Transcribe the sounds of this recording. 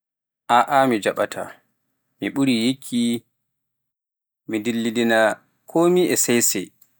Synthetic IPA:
ʔaʔamid͡ʒaɓatʰa̰ | miɓuɾijekʰːi | midilːidina | kʰomiʔɛsajsɛ̰j

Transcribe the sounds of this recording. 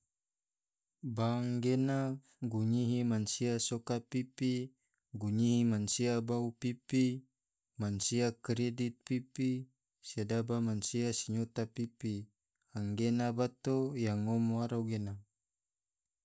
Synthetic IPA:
baŋɡena | ɡuɲiɦimansiasokapipi | ɡuɲiɦimansiabaupipi | mansiakɾedit̪̚pipi | siadabamansiasiɲot̪apipi | aŋɡenabat̪ojaŋomoaɾauɡena

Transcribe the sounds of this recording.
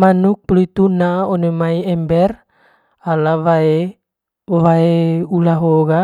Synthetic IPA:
manuk̚plit̪unaonemaiɛmbɛr | alawae | waeulaɦoɡa

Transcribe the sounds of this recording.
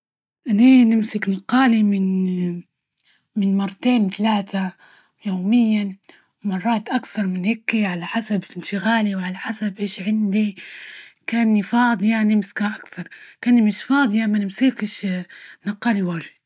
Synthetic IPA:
ʔaninɪmsɪknɑqːɑːlimɪn | mɪnmɑrˤːɑt̪eːnt̪alaːt̪ʰa | joːmɪjːa | wmɑrˤːɑːt̪ʔakθɑɾˤmɪnhekːiʕalaħasabɪlʔɪnʃɪɣaːliwʕalaħasabʔeːʃʕɪnd̪i | kaːnːifɑːd̪ˤjɑnɪmsɪ̥kaʔakθɑɾˤkaːnːimɪʃfɑːd̪ˤjamanɪmsikɪʃnɑqːɑːliwaːɾɪ

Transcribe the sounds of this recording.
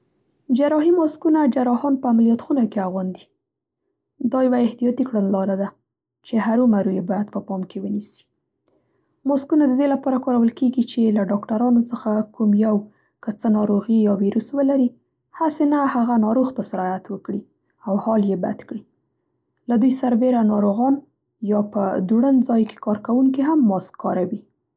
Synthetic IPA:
d͡ʒaɾɑɦimɑskunad͡ʒaɾɑhɑnpəamalijɑt̪xunakeaɣwɑnd̪i | d̪ɑjawaɪht̪ijɑt̪ikɽənlɑɾad̪a | t͡ʃeɦaɾumaɾujebɑjad̪pəpɑmkewənisi̥ | mɑskunad̪əd̪elapɑɾakɑɾawəlkeɡit͡ʃelaɖɑkʈaɾɑnot͡səxakumjaw | kət͡sənɑɾoɣijɑwiɾuswəlaɾi | hasenahaɣanɑɾoɣt̪asɪɾɑjat̪wəkɽi | awhɑljeba̰d̪kɽi | lad̪ujsaɾbeɾanɑɾoɣɑn | jɑpəd̪uɽənd͡zɑjke̥kɑɾkawuŋkiɦamːɑskʰːɑɾawi

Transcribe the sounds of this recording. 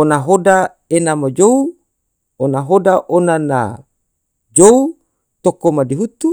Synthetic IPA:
onaɦoda | enamad͡ʒou | onaɦodaʔonana̰ | d͡ʒou | t̪okomadiɦut̪u

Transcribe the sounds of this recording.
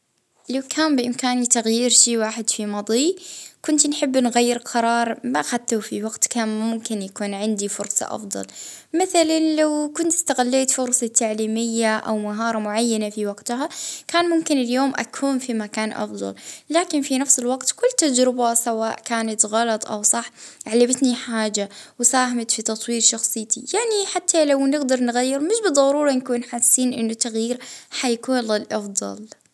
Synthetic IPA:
lawkʰaːnbʔɪmkaːnit̪aɣjiːɾʃiːwaːħɪd̪fimɑd̪ˤiːkʊnt̪nħɪbːnɣajːɪɾqʰɑɾˤɑːɾˤmaʔxat̪ːafiwaɡt̪kaːnmʊmkɪnjakuːnʕɪnd̪ifʊɾsˤɑ̰ʔɑ̰fd̪ˤɑ̰lmɪθalanlawkʊnt̪ɪ̥st̪aɣalːeːt̪fʊɾsˤɑt̪aʕliːmɪjːaʔa̰wmaɦɑːɾˤɑmʊʕajːanafiwaɡt̪ɦakaːnmʊmkɪnɪljoːmʔa̰kʰuːnfimakaːnʔɑ̰fd̪ˤɑ̰llaːkɪnfinafsɪlwaɡt̪kʊlːt̪ad͡ʒɾɪbasawaːʔkaːnat̪ɣɑlɑt̪ˤʔawsˤɑħʕalːabɪt̪niħaːd͡ʒawɪsaːhamat̪fit̪ɑt̪ˤwiːɾʃɑxsˤɨjːt̪ijaʕniħat̪ʰːalawnɪɡd̪ɑɾˤnɣajːɪɾmɪʃbɨd̪ˤːɑɾuːɾˤɑnkuːnħasːiːnʔɪnːʊt̪ːaɣjiːɾħajakuːnlɪlʔɑfd̪ˤɑ̰l

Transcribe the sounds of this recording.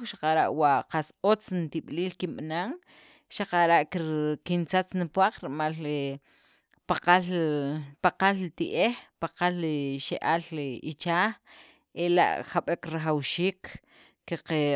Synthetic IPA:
ʃḁqaɾaʔwaʔqasot͡snt̪iɓ̥liːlkimɓnaŋ | ʃaqaɾaʔkkint͡sat͡snipwaq͡χɾimal | paqalpaqalit̪iʔehpaqaliʃeʔaliit͡ʃaːx | ela̰ʔxaɓekɾaχawʃiːkː | iqe

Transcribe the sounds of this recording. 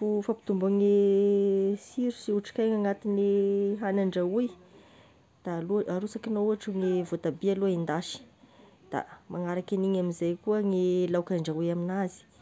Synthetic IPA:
fufapi̥t̪umbaŋe | siɾusiuʈ͡ʂi̥kajŋaŋat̪iniɦanaɳɖ͡ʐauj | d̪̥aluaɾusakinouaʈ͡ʂuŋevot̪abialoind̪aʃi̥ | d̪̥a̰maŋaɾakiniɲamizajkuəŋelawkaɳɖ͡ʐaujaminazi̥

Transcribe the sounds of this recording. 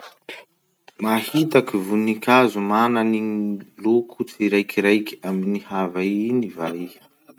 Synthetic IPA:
mahit̪akivunikʲazumananilukʰut͡siɾajkiɾajki̥aminihavainivai

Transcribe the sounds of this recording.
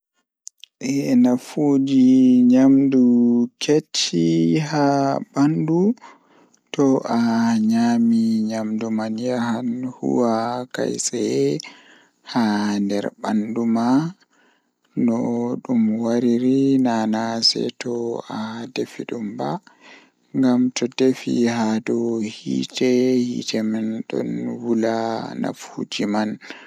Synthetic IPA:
ʔɛnafud͡ʒiɲamdukʰetʰːihabandu | tɔʔaɲamiɲamdumanjahanhṵwaka̰jsɛ | handɛ̰ɾba̰nduma | nɔɗumwaɾiɾinanasɛ̰tɔadefiɗumba | ŋɡamtɔdefihadɔhḭːtɛhḭːtʰɛmɛnɗɔ̰nwulana̰fud͡ʒiman

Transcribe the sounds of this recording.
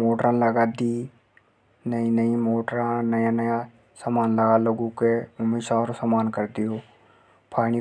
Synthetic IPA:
moːʈɾãləɡad̪i | nəĩnəĩmoːʈɾãnəjanəja | samaːnləɡaloːɡõkeʊmeʃaɔːɾsamaːnkəɾd̪ijoː | pʰaːɽ̃i

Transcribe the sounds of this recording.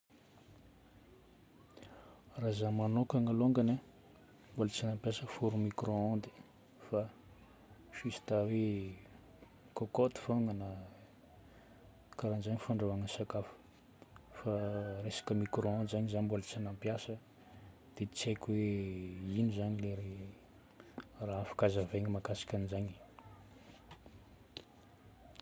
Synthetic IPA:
razamanokaŋaloŋɡana | mbolat͡sinampjasəfuɾumikroãnd̪i̥ | fa | fisi̥t̪awe | kokot̪i̥foŋanə | kaɾand͡ʒaɲifaɳɖ͡ʐawaŋənsakafə̥ | faresḁkəmikroãnd̪zaɲizanmbolət͡sanampjasə | d̪̥et͡sekʲwe | inuzaɲileɾe | raafḁkazaveɲimakasi̥kʲanizaɲi

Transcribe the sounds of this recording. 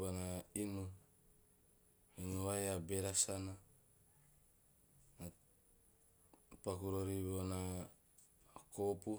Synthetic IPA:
bonainu | inuajabeɾasana | pakuɾoɾibona | kopu

